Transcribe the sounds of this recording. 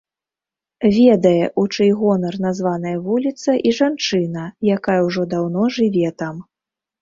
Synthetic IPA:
vʲɛd̪ɐjɛʔut͡ʂɨjɣɔnɐrnazvan̪ɐjɐvulʲit̪sɐʔiʐant͡ʂɨnɐjakajɐwʐɔd̪awn̪ɔʐɨvʲɛt̪am

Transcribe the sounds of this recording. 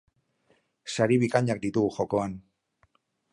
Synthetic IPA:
saɾiβikaɲak̚d̪it̪uɣuxo̞ko̞an

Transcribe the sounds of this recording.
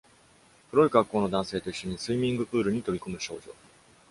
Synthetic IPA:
pɯɾo̞iɡakːo̞ːnod̪ãɰ̃se̞ːt̪o̞iɕːo̞ɲ̟isɨimʲĩŋɡɯ̟ʔɯ̟ːɾɯ̟ɲ̟it̪o̞bʲikomɯ̟ɕo̞̰ːʑo̞̰

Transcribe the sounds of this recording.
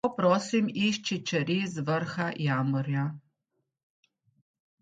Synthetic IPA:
ɔpɾɔːsimiʃt͡ʃit͡ʃɛɾizʋəɾxajaːmɔɾja

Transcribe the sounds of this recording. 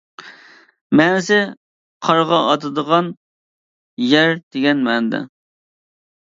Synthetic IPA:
mɛːnɪsɪ | qʰɑɾʁɑɑt̪ʰɨd̪əʁɑn | jæɾd̪eɡʲɛnmɛnd̪ɛ̰

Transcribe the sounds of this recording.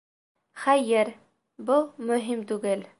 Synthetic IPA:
χæjɘɾ | bumɵ̆ɦimt̪ʉɡɘl

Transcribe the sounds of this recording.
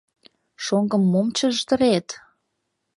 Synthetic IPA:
ʃoŋɡəmːomt͡ɕə̆ʒt̪ə̆ɾet̪

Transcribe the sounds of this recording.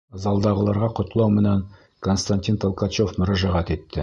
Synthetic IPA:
zɑlˠd̪ɑʁɤ̆lˠɑɾʁɑqŏt̪ɤ̆lˠɑwmɘ̆næŋ | konst̪anʲtʲint̪olˠkɑt͡ɕofmɵ̆ɾæʒæʁæt̪it̪ːɘ

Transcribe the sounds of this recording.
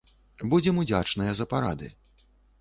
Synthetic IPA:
bud͡zʲɛmud͡zʲat͡ʂnɨjɐzɐpaɾa̰d̪ɨ̰

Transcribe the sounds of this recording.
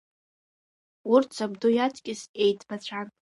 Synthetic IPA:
urtt͡sʰabdujatʰʼkʲʼɪse̞jtʰʼbat͡ɕʷʰan

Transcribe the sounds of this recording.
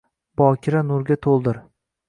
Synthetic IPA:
bɒkʲʰɪɾanʊɾɡʲat̪ʰolˠd̪ɪɾ

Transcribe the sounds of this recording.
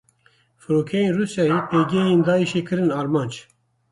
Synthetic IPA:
fɨɾoːkʰejenruːsjɑːjipʰeɡejeːnd̪ɑːiʃeːkʰɨɾɨnɑːɾmɑːnd͡ʒ

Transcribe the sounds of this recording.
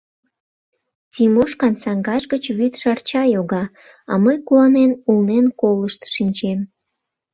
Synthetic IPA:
tʲimoʃkɑnsɑŋɡɑʃɡət͡ɕβyt̪ʃɑrt͡ɕɑjoɣɑ | ɑ̰məjkuɑnenulnenkoləʃt̪ʃinʲt͡ɕem

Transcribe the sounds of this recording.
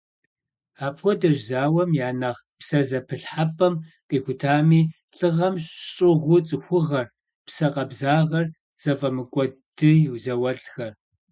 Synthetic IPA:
aːpʼxʷɔdɐʒzaːwɐmjaːnaʁpsɐzɐpʰɨɬħapʼɐmqʼiːxʷʊtʰaːmiː | ɬʼɨʁɐmɕɕʼɪʁʷʊt͡sʼɨxʷʊʁɐr | psɐqʼɐbzaːʁɐr | z̥ɐfʼɐmɨkʷʼɔd̥ɨjɪwzɐwɐɬxɐr

